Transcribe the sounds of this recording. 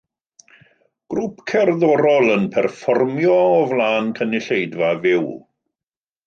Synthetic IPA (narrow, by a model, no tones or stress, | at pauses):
ɡ̥rupʰkʰɛrðɔɾɔlˠənpʰɛrfɔrmjɔːvlˠaːnkʰənɪɬejdvavɪw